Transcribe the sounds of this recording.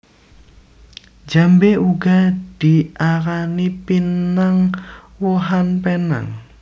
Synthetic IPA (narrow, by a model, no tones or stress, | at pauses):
d͡ʒambeʔuɡad̪̥iʔaɾanipinaŋ | woɦanpena̰ŋ